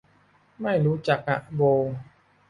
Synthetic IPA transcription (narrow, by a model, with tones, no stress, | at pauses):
ma˥˩jɾuː˦˥t͡ɕa˨˩k̚ʔa̰˨˩ʔboː˧